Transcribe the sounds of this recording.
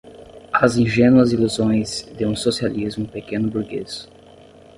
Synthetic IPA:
ɐzĩʒẽnwɐziluzõj̃zd̪ɪũsosializmʊpekẽnʊbuɾɡes

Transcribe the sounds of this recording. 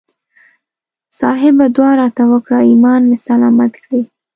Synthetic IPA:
sɑɦɪbad̪wɑɾɑt̪awəkɽaimɑnmesalɑmat̪kɽi

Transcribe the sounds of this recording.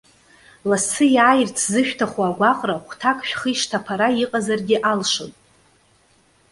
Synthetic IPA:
lasɨjaːjrt͡sʰzɨʃᶣtʰaχʷaːɡʷaqʼraχʷtʰakʼʃᶣχiʂtʰapʰaɾaiqʼazarɡʲɪʔalʂonʼ

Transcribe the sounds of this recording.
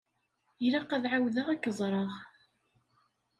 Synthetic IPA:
jɾaqæðʕawðəʁækːəzˤɾˤəʁ

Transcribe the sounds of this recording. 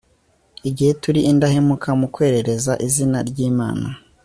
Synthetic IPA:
iɟihe̞tuɾiʔːndahe̞mukʰamukwe̞ːɾe̞ɾe̞zaʔizinaɾɟiːma̰ːna

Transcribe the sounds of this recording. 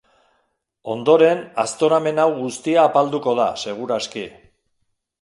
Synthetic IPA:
o̞nd̪o̞ɾe̞na̰st̪o̞ɾame̞nawɣust̪iaːpald̪uko̞ð̞a̰se̞ɣ̞uɾaski

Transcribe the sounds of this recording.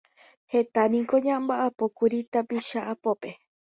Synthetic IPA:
het̪anĩŋkoɲãmbaʔapokuɾit̪apiʃaʔapope

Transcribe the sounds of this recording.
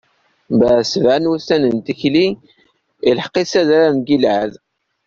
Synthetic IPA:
bæʕsəvʕanwusænənt̪içli | ilħqːisæðaɾamɡilʕæð

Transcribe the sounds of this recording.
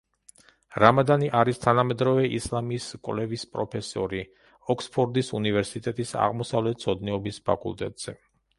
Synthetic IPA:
ɾamad̪aniʔaɾist̪ʰanamɛd̪ɾɔvɛʔḭslˠamiːskʼwlɛvispʼɾɔpʰɛsɔ̰ɾi | ɔkspʰɔɾd̪isunivɛɾsit̪ʼɛt̪ʼisa̰ʁmɔsavlɛt̪̚t̪sʰɔd̪nɛɔbispʰa̰kʼṵlˠt̪ʼɛt̪ʼz̥ɛ

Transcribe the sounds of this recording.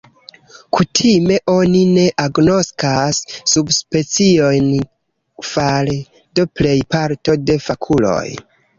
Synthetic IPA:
kutʰime̞ʔo̞nine̞ʔaɡno̞skasːubspe̞t͡sio̞jn | fal | do̞ple̞jpaɾto̞de̞fakʰulo̞̰j

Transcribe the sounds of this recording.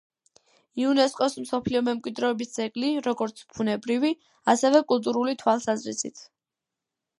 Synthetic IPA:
iunɛskʼɔsm̩sɔpʰliɔmɛmkʼwid̪ɾɛːbisd̪z̥ɛɡʼliɾɔɡɔɾt̪sʰpʰunɛbɾivi | asɛvɛkʼulˠt̪ʼuɾulit̪ʰwalˠsazɾḭsḭt̪ʰ

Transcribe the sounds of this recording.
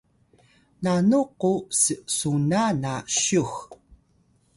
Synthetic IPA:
nanuqusəsunanaɕux

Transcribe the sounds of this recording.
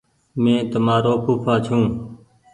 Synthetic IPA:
mẽːt̪əmaːɾoːkuːpʰaːt͡ʃʰũː

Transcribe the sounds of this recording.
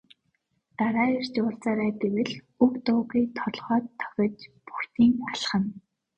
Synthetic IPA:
t̪aɾaːer̥t͡ɕʊːɬt͡saːɾaːt̪ewɘ̆ɮ | ukt̪ʊːɣiːt̪ʰɔɮχɔːt̪ʰːœ̥xʲɞ̆t͡ɕpu̥xt̪iːŋaɮχə̆n

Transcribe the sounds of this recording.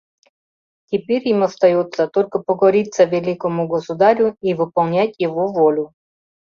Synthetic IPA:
tʲɪpʲeɾʲimɐst̪ɐjot̪sət̪olʲkəpəɡɐɾʲit̪səvʲɪlʲikəmʊɡəsʊd̪aɾʲʊivɨpɐlˠnʲætʲjɪvovolʲʊ

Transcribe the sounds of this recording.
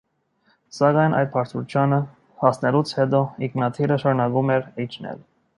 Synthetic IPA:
sɑɡɑjnʔɑ̰jd̪̚pʰɑɾt̪ʰut͡ʃʰjɑnə | hɑsnɛlut͡sʰhɛd̪ɔiknɑt̪ʰiɾəʃɑɾunɑɡumɛɾit͡ʃʰnɛ̰l

